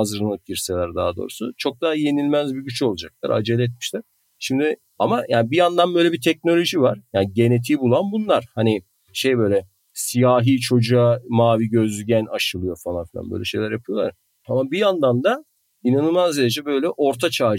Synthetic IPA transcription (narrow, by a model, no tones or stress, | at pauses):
azɯɾɯnˠɯp̚ɟiɾselʲæɾd̪aːad̪o̞̰ːɾusut͡ʃʰo̞k̚d̪aːje̞nilʲmæzbiɟyt͡ʃʰo̞lˠud͡ʒak̚lˠa̰ɾa̰d͡ʒelʲɛt̪̚miʃlʲæɾ̥ | ʃimd̪ɪ | amajaːnibijand̪anbø̞jlʲebit̪ʰɛc̚no̞lʲo̞ʒivaɾ̥jaːnɟe̞net̪ʰiːbulˠanbunlˠaɾ̥hani | ʃe̞jbø̞jlʲɛ | sijaːɦiːt͡ʃʰo̞d͡ʒuamaːviɟøzyɟænaʃɯlˠɯjo̞falˠanfilʲa̰nbø̰lʲɛ̰ʃe̞jlʲæɾjapʰɯjo̞lˠaɾ | amabijand̪and̪a | inanɯlˠmazd̪eɾed͡ʒɛbø̞jlʲɛʔo̞ɾt̪ʰat͡ʃʰaː